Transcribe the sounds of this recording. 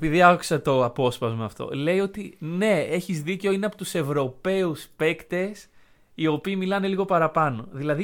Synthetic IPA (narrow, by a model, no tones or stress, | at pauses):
piðiɐku̥sɐt̪o̞ɐpo̞spɐzmɐɐft̪o̞̰le̞io̞t̪ine̞e̞çizðice̞o̞ineɐpo̞t̪use̞vɾo̞pe̞uspe̞kt̪e̞s | io̞piːmilɐne̞liɣo̞pɐɾɐpɐno̞̰ðilɐði